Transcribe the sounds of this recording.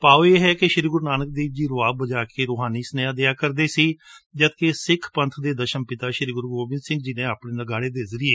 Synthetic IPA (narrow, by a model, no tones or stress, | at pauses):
paːoːeːɦɛːkɪʃɪɾiːɡʊɾnaːnək̚d̪eːd͡ʒiːɾʊaːbəd͡ʒaːkeːɾoːɦaːniːsənjaːd̪ɪjaːkəɾd̪eːsiːd͡ʒət̪kesɪkʰpənt̪ʰd̪eːd̪əʃənpɪt̪aːʃɪɾiɡʊɾɡoːbɪ̃nsɪ̃ŋɡd͡ʒɪnẽːaːpɳẽːnəɡaːɽeːd̪eːzəɾɪeː